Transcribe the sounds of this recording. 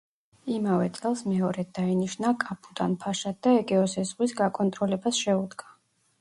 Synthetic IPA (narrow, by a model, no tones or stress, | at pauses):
imavɛt̪sʼɛlˠsmɛɔɾɛd̪ainiʃnakʼapʰʼut̪ʼanpʰaʃat̪̚d̪aɛɡɛɔsɛzʁwisɡakʼɔnt̪ʼɾɔlɛbasʃɛud̪ɡa